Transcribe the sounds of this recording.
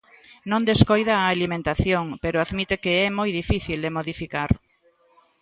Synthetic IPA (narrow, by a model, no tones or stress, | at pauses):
nõnd̪eskojðaːlimẽnt̪aθjoŋpeɾʊaðmit̪ekeɛmojðifiθild̪emoðifikaɾ